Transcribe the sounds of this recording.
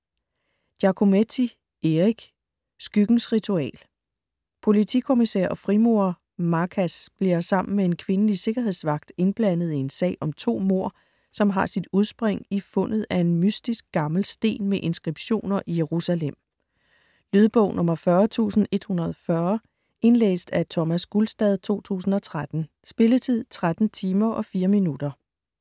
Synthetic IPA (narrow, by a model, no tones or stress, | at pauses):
d̥jɑ̈kʰo̝met͡sʰi | e̝ʁiɡ̥ | sɡ̥yɡ̥n̩sʁit͡sʰuɛ̰ːl | pʰo̝lit͡sʰikʰo̝misɛɐ̰ʔɒ̽fʁimo̝ɐ | mɑ̈kʰæsb̥liɐsɑ̈m̰n̩mee̝nkʰʋe̝nəlise̝ɡ̥ɐɦe̝ð̞̰ˠsʋɑ̈ɡ̥̚d̥e̝nb̥læn̰ð̩ˠiensɛ̰ɪʔɒ̽mt͡sʰo̝̰ːmo̝ɐ̰ | sɒ̽mɦɑ̈sid̥uð̞ˠsb̥ʁeŋifɔ̽n̰ð̩ˠæe̝nmysd̥isɡ̥̚ɡ̥ɑ̈ml̩sd̥e̝̰ːnmeʔe̝nsɡ̥ʁib̥ɕo̝̰ːnɐʔijeʁusælem̰ | lyðˠb̥ɔ̽ʊ̰nʔɔ̽mɐfɶɐt͡sʰṵːsn̩e̝d̥hunɐð̞ˠfɶɐ | e̝nlḛːsd̥æt͡sʰɒmæsɡ̥ulsd̥ɛð̞ˠt͡sʰo̝̰ːt͡sʰṵːsn̩ɒ̽t͡sʰʁad̥n̩ | sb̥e̝lət͡sʰið̰ˠt͡sʰʁad̥n̩t͡sʰiːmɐʔɒ̽fiːɐminud̥ɐ